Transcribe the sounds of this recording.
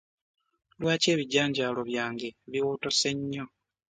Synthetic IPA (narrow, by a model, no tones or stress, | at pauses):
lwaːce̞ːβiɟːaːɲɟaːlo̞βjaːŋɡe̞βiwoːto̞se̞ɲːo̞